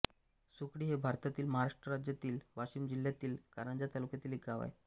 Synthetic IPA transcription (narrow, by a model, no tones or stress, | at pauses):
sukɽiːɦebʱaɾt̪at̪iːlməɦaɾaʂʈɾəɾad͡ʑjat̪iːlʋaɕiːmd͡ʑiljat̪iːlkaɾənd͡ʑat̪alukjat̪iːlekɡaʋa̰j